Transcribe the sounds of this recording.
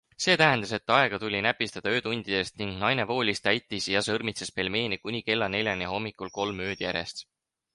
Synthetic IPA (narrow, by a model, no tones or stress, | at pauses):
se̞ːt̪æɦend̪ɑse̞t̪ːˑɑe̞ɡ̥ɑt̪ulʲinæpːist̪ɑd̪̥ɑø̞ːt̪unʲd̪̥id̪̥e̞st̪niŋɡ̥nɑjne̞vo̞ːlʲist̪æjt̪ːˑisjɑsɤrmit̪sespe̞lme̞ːnikunʲike̞lːɑne̞lʲjɑneho̞mːikˑulko̞lmø̞ːd̪̥jæ̰ɾe̞st̪